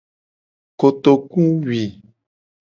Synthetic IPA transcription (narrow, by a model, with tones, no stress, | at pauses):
ko˨t̪o˨kũ˦wi˨